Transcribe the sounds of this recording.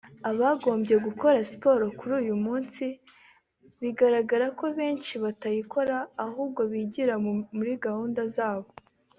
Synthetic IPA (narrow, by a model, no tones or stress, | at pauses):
aβaɡo̞ːmbje̞ɡuko̞ɾasi̥po̞ɾokuɾuːjumuːnsi | βiɡaɾaɡaɾako̞βe̞ːnt͡ʃiβatajiko̞ɾaːhuːbɡo̞βiɟiɾamuɾiɡahuːndazaːβo̞